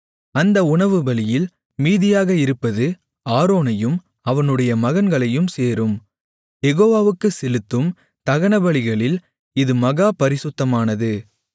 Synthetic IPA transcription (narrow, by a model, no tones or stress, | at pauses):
ɐnd̪ɐʊɳɐʋɯbɐɭɪjɪl | miːðɪjaːɣɐɪɾɯpːɐðɯ | aːɾoːnɐjɯm | ɐʋɐnɯɽɐjɐmɐɣɐnɡɐɭɐjɯmseːɾɯm | jɛɣoːʋaːʋɯkːɯsɛlɯt̪ːɯm | t̪ɐɣɐɳɐbɐɭɪɣɐɭɪl | ɪðɯmɐɣaːpɐɾɪsɯt̪ːɐmaːnɐðɯ